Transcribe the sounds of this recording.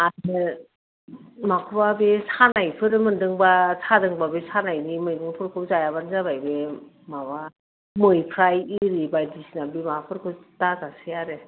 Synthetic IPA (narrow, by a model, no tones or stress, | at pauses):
atɯ | makʰɯbabesanajpʰɯɾmɯndɯŋbasʰadɯŋbabesanajnimɯjnɯŋpʰɯɾkʰɯwzajabanzaβajbe | maba | mɯjpʰɾajiɾibajdisinabimapʰɯɾkʰɯwtazasejaɾe